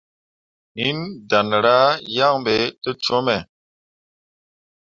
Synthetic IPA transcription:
i˦nda˨n˨ɾa˦ja˦˨ŋbe˨˦tə˦t͡ʃo˦mɛ˨

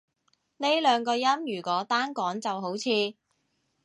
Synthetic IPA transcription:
ne˥jlœː˨˧ŋkɔː˧jɐ˥mjyː˨˩kʷɔː˨˥t̪aː˥nkɔː˨˥ŋt͡sɐ˨wɦo˨˥wt͡sʰiː˧

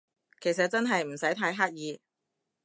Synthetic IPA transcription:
kʰe˨˩js̬ɐ˨t̚t͡sɐ˥nɦɐ˨jm̩˨˩sɐ˨˥jt̪ʰaː˧˥jɦaː˥t̚jiː˨˧

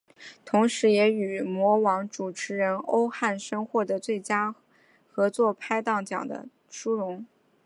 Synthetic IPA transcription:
t̪ʰʊ˧˥ŋʂɻ̩˧˥jɛ˧˥y˨˩mwɔ˧˥wɑ˧˥ŋʈ͡ʂu˨˩ʈ͡ʂʰɻ̩˧˥ɻə˧˥no˥ʊxa˥˩nʂɤ˥ŋxwɔ˧˩d̪ə˨t͡swe˥˩ɪt͡ɕja˥ | xɤ˧˥t͡swɔ˥˩pʰa˥ɪt̪ɑ˥˩ŋt͡ɕjɑ̰˨˩ŋd̪ə̰˦ | ʂu˥ɻʊ˧˥ŋ

